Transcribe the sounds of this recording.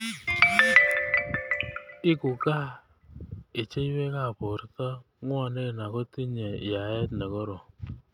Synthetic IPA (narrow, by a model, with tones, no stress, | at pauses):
ɪ˦kʊ˨ka˦ | ɪ˨t͡ʃe˦i˦we˦ka˦˨po˨ɾta˦ | ŋwa˨ne˦˨na˨kɔ˦ti˦ɲe˨ɪ˨ja˨ɛ˦tnɛ˨kɔ˦ɾo˨